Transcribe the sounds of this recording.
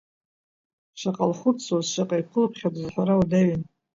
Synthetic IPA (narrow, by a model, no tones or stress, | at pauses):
ʃaqʼalχʷʊt͡sʰazʃʷaqʼajkʷʰʊlpʰχʲadɨzħʷaɾawudaɥɪn